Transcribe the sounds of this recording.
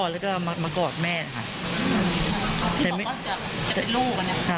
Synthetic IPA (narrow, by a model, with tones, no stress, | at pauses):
lɛ˦˥kɔː˥ma˧maː˧kɔː˨˩t̪̚mɛː˥˩na˧˩kʰa̰˥˩˧ | t̪iː˧˨˩ma˥˩˥t͡ɕa˨˩ | t͡ɕa˨e˧nluː˥˩k̚a˧na˦˥˩t͡ɕʰa˥˩